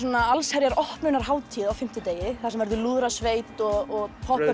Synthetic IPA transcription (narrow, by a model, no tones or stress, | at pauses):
ɔnaalshɛɾjaɾɔhpmʏnaɾ̥ɦaːwt̪ʰiːðawfɪm̥t̪ɪt̪eːjɪθasɛmvɛɾðʏluːðɾasveːjt̪ɔɣɔɣpʰɔhpɛ